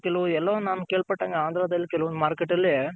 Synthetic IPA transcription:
kɛluʋɛlːɐʋnaːnukeːɭpɐʈːɐːŋɡeaːnd̪ʱɾaːd̪ɐlːikɛluʋɔnd̪maːɾkeʈːɐlːi

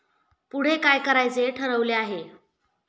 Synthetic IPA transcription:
puɽ̤ekajkəɾajt͡seʈʰəɾəʋleaɦe

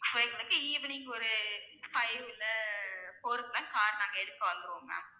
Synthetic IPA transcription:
sɐɪkɐnɯkːɯiːʋɐniːŋɡɐɔɾɯfɐɪʋɪlːɐfoːɾklansaːɾnaːŋɡɐɛɽɯkːɐʋɐnd̪ɯɾoːŋɡɐ̰

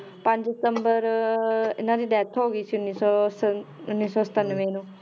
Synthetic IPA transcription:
pə̃ɲd͡ʒdɪsə̃mbəɾ | ɪ̰nãd̪iːd̪ɛːt̪ʰɦoːɡiːsiʊnːiːsɔːs | ʊnːiːsɔːsə̥t̪ənʋẽːnũː

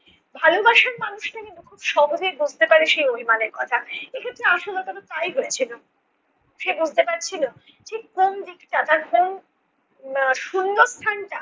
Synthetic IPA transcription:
bʱalubaʃaɾmanuʃʈakint̪ukʰubʃɔbod̪ʱibud͡ʑʱt̪epaɾeʃejmobʱimaneɾkɔt̪ʰaekʰet̪ːɾeaʃolɔt̪aɾet̪ajɦoet͡ɕʰilo | ʃebud͡ʑʱt̪epaɾt͡ɕʰilo | d͡ʑekomd̪ikʈad̪aɾom | ʃunːost̪ʰanʈa

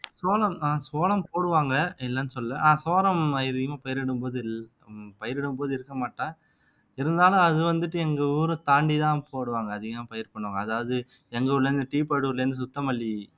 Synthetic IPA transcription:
soːlɐmnãːsoːlɐmpoːɽɯʋaːŋɡɐɛlːɐnːɯsɔlːɛnãːsoːɾɐmɐjɪɾɯɣɐmaːpɐjɪɾɪɽɯmpoːðɯ | pɐjɪɾɪɽɯmpoːðɯɪɾɯkːɐmaːʈːãː | ɪɾɯnd̪aːlɐ̃ɐðɯʋɐnd̪ɯʈːɯɛŋɡɐuːɾɯ̃t̪aːɳɖit̪ãːpoːɽɯʋaːŋɡɐɐðɯɣɐmaːpɐjɪɾpɐɳːʋaːŋɡɐɐðaːʋɐðɯ | ɛŋɡɐɯɭːlːɐɾɯnd̪ɯʈiːpaːɽɯɯɭːɐɾɯnd̪ɯsʊt̪ːɐmɐlːi

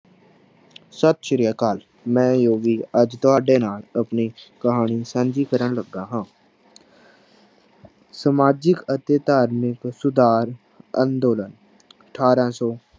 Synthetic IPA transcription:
sət̪̚t͡ʃəɾijəkaːl | mɛ̃ːjoːʋiːəd͡ʒt̪ʊɦaːɖeːnaːləpniːkəɦaːɳiːsənd͡ʒiːkəɾəɳləɡːaːɦãː | səmaːd͡ʒɪkət̪eːt̪aːɾmɪksʊd̪aːɾ | ə̰̃nd̪oːlən | əʈʰaːɾãːsɔː

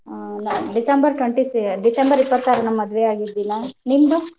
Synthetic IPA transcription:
nɖisɐmbɐɾʈwɐɳʈisɖisɐmbɐɾipːɐt̪ːaːɾɐnɐmːɐd̪ʋeaːɡid̪ːinanind̪u

